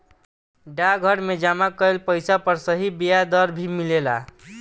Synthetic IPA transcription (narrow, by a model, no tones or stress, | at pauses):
ɖaɡʱəɽmed͡ʒamakəelpəjsapəɾsəɦibijad̪əɾbʱimilela